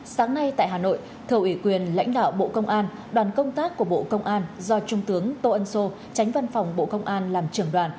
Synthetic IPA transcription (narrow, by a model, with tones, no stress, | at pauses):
saː˨˦ŋna˧jt̪a̰ː˧˨jɦaː˨˩no̰˧˨j | t̪ʰɨ˧˩əwʔi˧˩kwi˨˩ənla̰˧˥jŋ̟ɗa̰ː˧˨wɓo̰˧˨kə˧wŋ͡mʔaː˧n | ɗwaː˨˩nkə˧wŋ͡mt̪aː˦˥k̚ːu˧˩əɓo̰˧˨kə˧wŋ͡mʔaː˧nzɔ˧t͡ɕʊ˧ŋ͡mt̪ɨ˨˦əŋt̪o˧ʔə˧nso˧ | t͡ɕa˨˦jŋ̟va˧nfa˨˩wŋ͡mɓo̰˧˨kə˧wŋ͡mʔaː˧nlaː˨˩mt͡ɕɨ˨˧˩əŋɗwaː˨˩n